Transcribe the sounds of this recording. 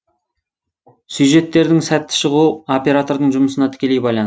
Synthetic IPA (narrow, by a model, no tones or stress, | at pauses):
sujʒe̞t̪ːe̞ɾd̪ɪŋsæt̪ːɪ̥ʃəʁuo̞pʲe̞ɾat̪o̞ɾd̪əɴʒʊməsənɑt̪ʰɪ̥kʲe̞le̞jbɑjlˠɑn